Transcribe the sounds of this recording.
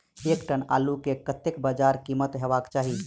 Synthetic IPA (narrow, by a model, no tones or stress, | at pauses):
ekʈəna̰ːlukekət̪ekbad͡ʒaɾkimət̪ɦebakt͡ʃaːɦi